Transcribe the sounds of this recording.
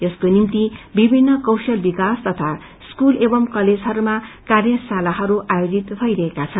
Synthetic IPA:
eskonimt̪ibibʱinːʌkʌwsʌlbikast̪ʌt̪ʰa | skulebʌmkʌled͡zɦʌɾumakarjʌsalaɦʌɾuʔajod͡zit̪bʱʌjɾʌɦekat͡sʰʌn

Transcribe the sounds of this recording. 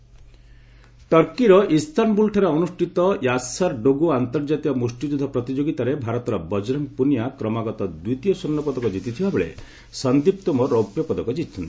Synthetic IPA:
ʈɔɾkiɾɔʔist̪ʰanbulʈʰɔɾeɔnusʈit̪ɔjasaɾɖoɡuant̪ɔɾd͡ʒat̪ikɔmɾusʈid͡ʒud̪ʱːɔpɾɔt̪id͡ʒoɡit̪aɾebʱaɾɔt̪ɔɾɔbɔd͡ʒɾɔŋpunijakɾɔmaɡɔt̪ɔd̪wuit̪ijɔsɔnːɔpɔd̪ɔkɔd͡ʒit̪it̪ʰibabeɭḛ | sɔnd̪ip̚t̪ɔmɔɾɔpjɔpɔd̪ɔkɔd͡ʒit̪ʰːɔnt̪i̥

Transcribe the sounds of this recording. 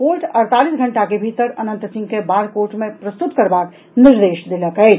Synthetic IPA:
koːɾʈɐɾt̪aːlisɡʱəɳʈakebʱit̪əɾɐnə̃nt̪sɪ̃ŋɡkebaːɾkoːɾʈmẽpɾəst̪ut̪kəɾbaːk | niɾd̪eːʃd̪ɪləkɦɛ

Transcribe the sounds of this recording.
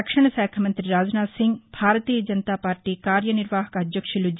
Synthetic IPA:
ɐkʂɐɳɐsaːkʰɐmɐnt̪ɾiɾaːd͡ʒɐnaːsiŋɡbʱaːɾɐt̪iːjɐd͡ʒɐnɐt̪aːpaːɾʈikaːɾjɐniɾʋaːɦɐkɐːd̪jɐkʂulud͡ʒ

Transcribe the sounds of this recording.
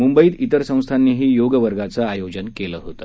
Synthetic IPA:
mumbəiːt̪it̪əɾsə̃w̃st̪ʰanːiːɦiːjoɡəʋəɾɡat͡səajod͡ʑənkeləɦot̪ə

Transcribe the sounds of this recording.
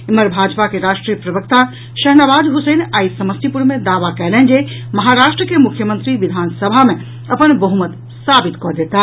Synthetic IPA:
iməɾbʱad͡ʒpakeɾaʃʈɾijəpɾəbəkt̪a | ʃəɦnabad̪ɦusənaisəməst̪ipuɾmed̪aʋakɛlɛnd͡ʒeməɦaɾaʃʈɾəkemukʰjəmənt̪ɾiʋid̪ʱansəbʱame | əpənbəɦumət̪ | sabit̪kɔd̪et̪a

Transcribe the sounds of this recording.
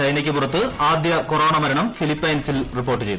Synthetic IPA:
ɐjnɐkʲːɨpurɐt̪ːɨaːd̪jɐkoro̞ːɳɐmɐɾɐɳɐmfilipːɐjnsilripːoːʈːɨt͡ɕe̞jt̪u

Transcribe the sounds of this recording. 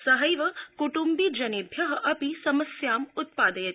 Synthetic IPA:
sɐɦɐjʋɐkuʈumbid͡ʒɐneːbʱjɐɦɐʔɐpisɐmɐsjaːmʊt̪̚paːd̪ɐjɐt̪

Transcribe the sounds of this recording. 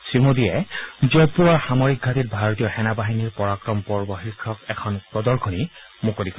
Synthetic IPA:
simodijɛzɔjpuwaɹxamɔɹik̚ɡʱatit̚bʱaɹot̪ijɔxɛnabaɦiniɹpɔɹakɹɔmpɔɹbɔxiɹkʰːɔkɛkʰɔnpɹɔd̪ɔɹkʰoni | mukodikɔ

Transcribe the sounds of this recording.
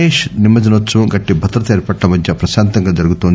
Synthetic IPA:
eːʃnimːɐd͡ʒinɐt͡ʃːuɡɐʈːibʱɐt̪ɾɐt̪ɐeːɾpɐʈːɐmɐd̪ʱjɐpɾɐʃaːnt̪ɐŋɡɐd͡ʒɐɾuɡut̪ond̪

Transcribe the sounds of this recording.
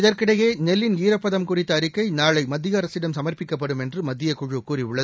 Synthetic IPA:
ɪðɐɾkɪɽɐjeːnɛlːɪniːɾɐpːɐðɐmkʊrɪt̪ːɐːɾɯkːɐɪnaːɭɐɪmɐd̪ːɪjɐːɾɐsɪɽɐmsɐmɐrpɪkːɐpːɐɽɯmɛndrɯmɐd̪ːɪjɐkʊɻɯkuːriʊɭːɐð

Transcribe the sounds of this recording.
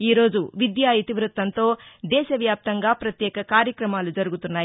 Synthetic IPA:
iːɾo̞ːd͡ʒuʋid̪jaːjit̪iʋɾut̪ːɐnt̪o̞ːd̪ɛːʃɐʋjaːp̚t̪ɐŋɡaːpɾɐt̪jɛːkɐkaːɾjɐkɾɐmaːlud͡ʒɐɾuɡut̪unːaːji

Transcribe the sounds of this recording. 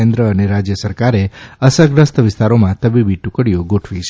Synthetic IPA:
end̪ɾəəneɾad͡ʒjəsəɾkaɾeəsəɡɾəst̪əʋɪst̪aɾomãt̪əbibiʈukəɽijoɡoʈʰʋit͡ʃʰ

